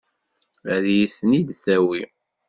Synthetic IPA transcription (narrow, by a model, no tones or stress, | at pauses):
ɾjiθnid̪θæwi